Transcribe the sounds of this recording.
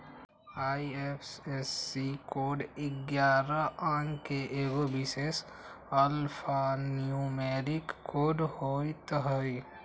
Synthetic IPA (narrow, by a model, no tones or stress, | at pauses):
aːiepʰsesikoːɖɪɡjaːɾaãːŋkeʔeːɡobises | əlpʰaniumeːɾɪkːoːɖhoːit̪əɦəi